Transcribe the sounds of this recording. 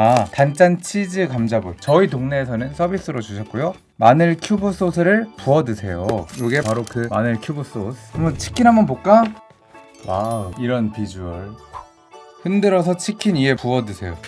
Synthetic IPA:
atant͡ɕ͈ant͡ɕʰid͡ʑɯkamd͡ʑabut͡ɕʌitoŋne̞ːsʰʌnɯnsʰʌbis͈ɯɾot͡ɕuɕʰʌt̚k͈ojo | manɯɭkʰjubɯs͈osʰɯɾɯɭpuʌdɯsʰe̞jojoɡe̞paɾokɯmanɯɭkʰjubos͈osʰmʌt͡ɕʰi̥kʰinɦambʌnpok͈a | waiɾʌnpid͡ʑuʌɭ | hɯndɯɾʌsʰʌt͡ɕʰikʰinie̞puʌdɯsʰe̞jo

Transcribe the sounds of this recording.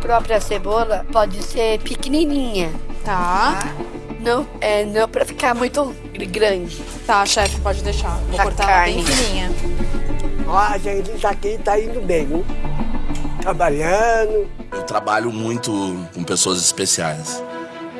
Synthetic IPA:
pɾɔpɾiɐsebolɐpɔd͡ʒɪseɾpɪkɪninĩɲɐt̪a | nɐ̃w̃ɛnɐ̃w̃pɾɐfi̥kamũj̃t̪ʊ | ɾɡɾɐ̃d͡ʒɪ | t̪aɐʃɛfɪpɔd͡ʒɪd̪ejʃaõakoɾt̪kakaɾnk̪ɪknĩɲɐ | ɔɐʒẽt͡ʃɪt̪aːkit̪aĩnd̪ʊbẽj̃nũ | t̪ɾabaʎɐ̃d̪ʊ | ewt̪ɾabaʎʊmũj̃t̪ʊkõpesoɐzispesia̰js

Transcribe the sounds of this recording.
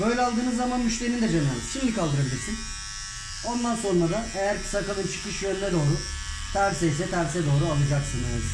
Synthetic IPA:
bø̞jlʲɛalˠd̪ɯːnɯzːamanmyʃlʲe̞ɾind̪ɛd͡ʒenɛnʲʃimd̪ʲikʰalˠd̪ɯɾabilʲiɾsin | o̞nd̪anso̞nɾad̪aejæɾpʰi̥sakalˠɯnt͡ʃʰɯ̥kɯʃjønnɛd̪o̞ːɾu | t̪ʰæɾsɛjsɛt̪ʰæɾsɛd̪o̞ːɾualˠɯd͡ʒaksɯnaz

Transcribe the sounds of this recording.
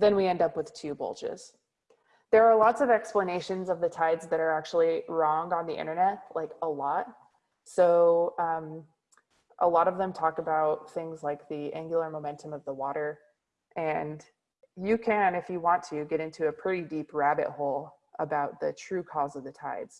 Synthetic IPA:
ðɨ̃nwiɛ̃ndʌpwɨð̥tʰʉbo̰lˠd͡ʒɪ̰z̥ | ðə˞ːlɔtsʌvɛkspləneɪʃɨ̃nzʌvðɨtʰaɪdzðɨɾə˞æk̚t͡ʃul̩ˠiɹɔ̃ŋə̃nðiʔɪ̰̃ɾ̃ə˞nɛt̚laɪkəlɔt̚ | soʊʌ̃m | ʔə̰lɔɾʌvðə̃mtʰɔkəbaʊt̪̚θɪ̃ŋzlaɪk̚ðiæ̃ŋɡjl̩ˠə˞moʊmɛ̃ntʰə̃mʌvðəwɔɾə˞ | ʔɨ̃n | jɨkʰɨ̃nɨfjɨwɑ̃ntʰɨɡɛɾɪ̃ntʰʉɨpʰɹ̥ɪɾidipɹæbɨ̰t̚hoʊlˠ | ʔəbaʊt̪̚ðɨtʰɹ̥ʉkʰɔzʌvðɨtʰaɪdz̥

